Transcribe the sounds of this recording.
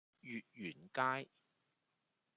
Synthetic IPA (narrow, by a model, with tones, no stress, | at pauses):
jyː˨t̚jyː˨˩nkaː˥j